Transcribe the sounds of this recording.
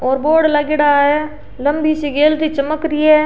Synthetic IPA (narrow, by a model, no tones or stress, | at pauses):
ɔːɾboːɾɖlaɡɪɽaːɦɛː | ləmbisiɡeːlt̪it͡ʃəməkɾiɛː